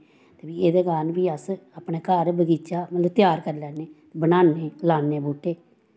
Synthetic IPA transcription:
t̪eːbiːeːd̪eːɡaːnbiːəsaːpneːkəɾbəɡiːt͡ʃaːmət̪ləʋt̪jaːɾkəɾlɛːneː | bənaːneːlaːneːbuːʈːeː

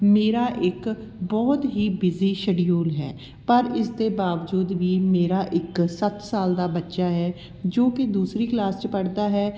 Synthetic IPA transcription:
meːɾaːʔɪk | bɔːt̪ɦiːbɪziːʃəɖijuːlɦɛ̰ː | pəɾɪsd̪eːbaːʋd͡ʒuːd̪ʋiːmeːɾaːʔɪksət̪saːld̪aːbətːʃaːɦɛː | d͡ʒoːkɪd̪uːsɾiːklaːst͡ʃəpəɽd̪aːɦɛː

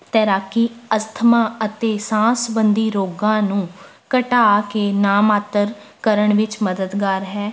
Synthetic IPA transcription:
t̪ɛːɾaːkiːəst̪ʰmãːət̪eːsãːsbənd̪iːɾoːɡãːnũː | kəʈaːkeːnaːmaːt̪əɾ | kəɾəɳʋɪt͡ʃməd̪əd̪ɡaːɾɦɛː

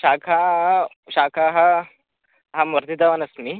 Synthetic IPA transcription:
ʃaːkʰa | ɕaːkʰaɦa | ɦamɐɾt̪id̪aʋanɐsmi

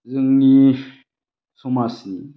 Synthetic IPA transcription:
ziŋɲi | sumasni

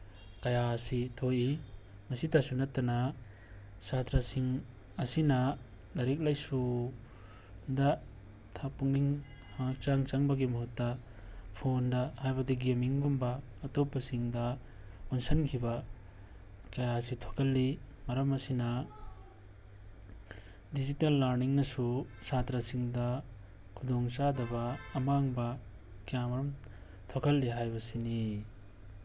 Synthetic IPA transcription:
kɐjasitʰoʔi | mɐsitasunɐtːɐna | satɾasiŋ | ɐsinɐ | lɐɾik̬̚lajsu | dɐ | tʰapuŋliŋ | hak̚t͡ʃaŋt͡ʃaŋbɐɡimɐɦutːɐ | pʰondɐhajbɐdiɡemiŋɡumbɐː | topːɐsiŋdɐ | unsɐnkʰibɐ | kɐjasitʰokʰɐlːimɐɾɐmɐsinɐ | did͡ʒitelːaɾniŋnɐsusatɾɐsiŋdɐ | kʰudoŋt͡ʃadɐbɐːmaŋbɐ | kijamɐɾɐm | tʰokʰɐlːiɦajbɐsini

